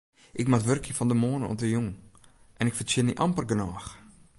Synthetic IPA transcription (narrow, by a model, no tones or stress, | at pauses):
ʔɪkmatʋørkʰjəfɔndəmoːnəɔ̰tdəjuŋ | ʔɛnɪkfət͡ʃɪniʔɑmpərɡənaːx